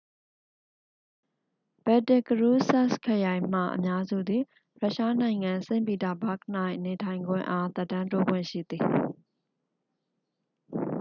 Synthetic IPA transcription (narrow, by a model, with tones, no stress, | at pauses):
b̥ɛ˨tɛ˨kəɹu˦sa˦˨skʰə˨jã˨ɪ̃m̥a̰˦˨ʔə̰mja˦zṵ˦˨d̪ði˨ | ɹa˦ʔʃa˦nã˨ɪ̃ŋã˨sɪ̃˦˨mpi˨ta̰˦˨ba˦k̚na˦jne˨tʰã˨ɪ̃ŋɡwɪ̰̃˦˨ʔa˦t̪ɛ˦˨tːã˦nto˦ɡwɪ̰̃˦˨ʃḭ˦˨d̪ði˨